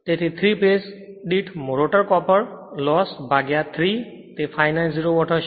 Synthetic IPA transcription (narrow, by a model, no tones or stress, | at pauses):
t̪et̪ʰet̪ʰɾipes | ɖiʈʰmoɾoʈɔɹkɔpɔɹlɔsbʱaɡjat̪ʰɾi | t̪epʰajnalziɾoɡɔʈʰɔ